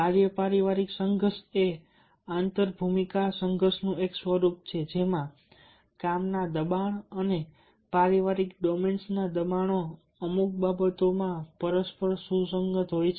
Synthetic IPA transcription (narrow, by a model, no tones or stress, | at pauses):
aɾjəpaɾiʋaɾiksəŋɡəɾse | ãnt̪əɾbʱumikasəŋɡʱəɾsnũeksʋəɾup̚t͡ʃʰed͡ʒemã | kamnad̪əbaɳəne | paɾiʋaɾikɖɔmensnad̪əbaɳ̃o | əmuk̚babət̪omãpəɾəspəɾsusəŋɡət̪ɦojt͡ʃʰ